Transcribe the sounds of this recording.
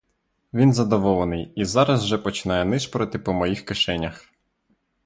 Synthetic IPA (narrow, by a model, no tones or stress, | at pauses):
ʋʲinzɐd̪ɔʋɔlˠenɪjizɑɾɐzwʒɛpɔt͡ʃɪ̥nɑjɛnɪʃpɾɔt̪ɪpɔmɔjixkɪʃɛnʲːɐx